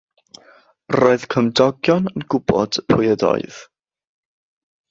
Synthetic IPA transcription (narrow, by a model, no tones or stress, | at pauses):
roːɨð̥kʰəmdɔɡjɔnənɡʊbɔ̰d̥pʰʊjədɔ̰ɨð